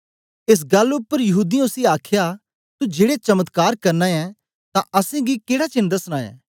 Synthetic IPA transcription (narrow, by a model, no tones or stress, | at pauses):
ɪs̬ɡɐlʊpːəɾjɐɦuːd̪ĩʊsiaːkʰja | t̪ud͡ʒeːɽet͡ʃɐmət̪kaːɾkɐɾnãɛ̃ | t̪ãʔɐsẽɡikeːɽat͡ʃɪ̃nd̪ɐsñaːjɛ̰̃ː